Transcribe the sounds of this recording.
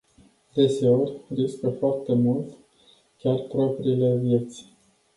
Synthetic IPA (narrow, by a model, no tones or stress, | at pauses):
d̪e̞se̞orʲriskəfoart̪e̞mult̪ | kʲarpɾo̞pɾiːle̞vje̞t̪sʲ